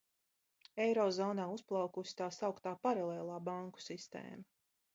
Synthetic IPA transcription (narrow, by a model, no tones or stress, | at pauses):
ɛjɾɔːzɔːnaːusplˠawkusi̥t̪aːsawkt̪aːpaɾalˠɛːlˠaːbaŋku̥sist̪ḛːma